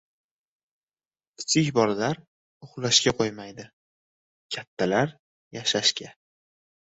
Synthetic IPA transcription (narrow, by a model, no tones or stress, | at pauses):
ɪ̥t͡sʰɪkʲbɒlalaɾ | ʊχlˠaʃkʲaqʰojmajd̪ɪ | kʲʰat̪ʰːalaɾ | jaʃaʃkʲʰa